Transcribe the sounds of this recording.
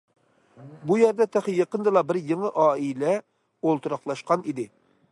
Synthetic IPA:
bujɛɾd̪ɛt̪ʰæχjeqənd̪ɨlˠɑbɪɾjeŋəʔɑːilɛ | olˠt̪uɾɑχlˠɑʃqɑnid̪ɪ

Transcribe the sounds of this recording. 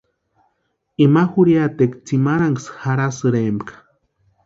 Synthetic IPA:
imaxuɾjat̪ekt͡simaɾaŋɡsxaɾasɨɾembkḁ

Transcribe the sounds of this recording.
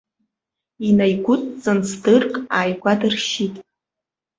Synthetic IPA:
inajɡʷʊtʼt͡sʼansdɨrkʼaːjɡʷadɨrʃitʼ

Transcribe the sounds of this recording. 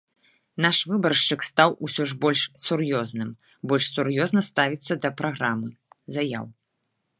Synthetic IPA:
naʂvɨbɐrʂt͡ʂɨkst̪awʔusʲɔʐbɔlʲʂsʲurjɔznɨm | bɔlʲʂsurjɔznɐst̪avʲit̪sːɐd̪ɐpɾaɣɾamɨzaja̰w

